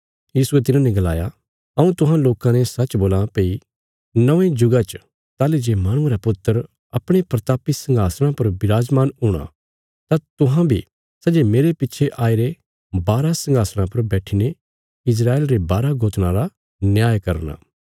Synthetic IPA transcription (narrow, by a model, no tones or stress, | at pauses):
jiːsuet̪̬ɪnãːnɛ̃ɡɐla̰ːja | ɐũt̪ʊɦãloːkãnɛsɐt͡ʃboːlãpeːi | nɐʋẽd͡ʒʊɡat͡ʃ | t̪aːled͡ʒeːmaːɽ̃ʊ̃ɾapʊt̪ːəɾ | ɐpɽ̃epɾɐt̪aːpisɐ̃ŋɡaːsɽ̃ãpɐɾbɪɾaːd͡ʒmaːnɦʊːɽ̃a̰ | t̪at̪ʊɦãbʱi | sɐd͡ʒemeːɾepɪtːʃʰeʔaːiɾe | baːɾasɐ̃ŋɡaːsɽ̃ãpɐɾbɛːʈʰine | ɪs̬ɾaːeːlɾebaːɾaɡoːt̪ñãɾa | njaːjkɐɾna̰ː